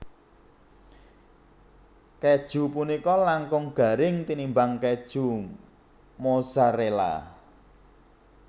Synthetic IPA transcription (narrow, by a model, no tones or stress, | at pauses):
kɛd̥ʒ̥ṳpunikɔlaŋkʊŋɡ̥a̤ɾɪŋt̪inimbaŋkɛd̥ʒ̥ṳ | mosaɾela̰